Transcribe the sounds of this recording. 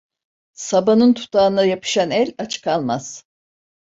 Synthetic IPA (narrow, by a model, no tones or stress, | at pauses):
sabanɯnt̪ʰu̥t̪ʰaːɯnd̪ajapʰɯ̥ʃanɛlʲat͡ʃʰɯ̥kʰalˠmaz̥